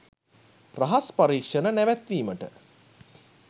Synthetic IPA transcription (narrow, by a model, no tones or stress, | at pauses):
raɦaspaɾiːkʂənənæʋæt̪ʋiːməʈə̰